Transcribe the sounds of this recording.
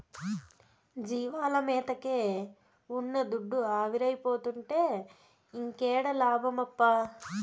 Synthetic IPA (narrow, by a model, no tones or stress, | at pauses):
d͡ʒiːʋaːlɐmɛːt̪ɐkeː | unːɐd̪uɖːuaːʋiɾɐjpo̞ːt̪uɳʈe̞ː | iŋkeːɽɐlaːbʱɐmɐpːa